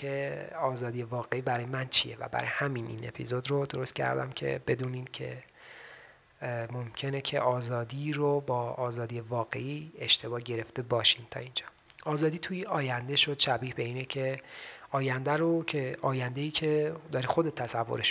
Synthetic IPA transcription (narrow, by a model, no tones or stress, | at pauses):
eɒːzɒːd̪ijevɒːɣe̞iːbæɾɒːjemænt͡ʃʰije̞̰væ̰bæ̰ɾɒ̰jehæminʔḭːne̞̰pʰḭzod̪ɾod̪o̞ɾost̪cʰæ̰ɾd̪æ̰mcʰe̞̰be̞d̪uːniːd̪̥cʰe̞̰ | momcʰe̞ne̞cʰe̞̰ʔɒːzɒːd̪iːɾobɒːɒːzɒːd̪ijevɒːɣe̞̰ʔiːe̞ʃt̪ʰe̞bɒːhɟe̞ɾeft̪e̞bɒːʃint̪ʰɒ̰ːind͡ʒɒː | ɒːzɒːd̪iːt̪ʰujiɒːjænd̪e̞ʃo̞d̪̥ʃæbiːhbe̞iːnecʰe̞ɒːjænd̪æɾocʰeʔɒːjænd̪eiːcʰe̞d̪ɒːɾixod̪e̞t̪ʰːæsævːo̰ɾe̞ʃ